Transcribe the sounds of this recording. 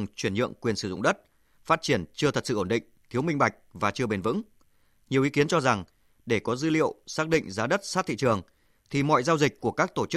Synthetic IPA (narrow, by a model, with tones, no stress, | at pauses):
ŋt͡ɕwi˧˩ənɲɨ̰˧˨əŋkwi˨˩ənsɨ˧˩zʊ̰˧˨ŋ͡mɗə˦˥t̚ | faː˦˥t̚t͡ɕi˧˩ənt͡ɕɨ˧ət̪ʰə˨˩t̚sɨ̰˧ʔo˧˩nɗḭ˧˨ŋ̟t̪ʰi˨˦wmï˧ŋ̟ɓa˨˩jk̟̚vaː˨˩t͡ɕɨ˧əɓe˧nvɨ̰˧˥ŋ | ɲi˨˩əwi˨˦ki˨˦ənt͡ɕɔ˧za˨˩ŋ | ɗe˧˩kɔ˨˦zɨ̰˧˦lḭ˧˨ə˨wsaː˦˥k̚ɗḭ̈˧˨ŋ̟zaː˨˦ɗə˦˥t̚saː˦˥t̪̚ḭ˧˨t͡ɕɨ˨˩əŋ | t̪ʰi˨˩mɔ̰˧˨jzaː˧wzï˨˩k̟̚ku˧˩əkaː˦˥k̚t̪o˧˩t͡ɕ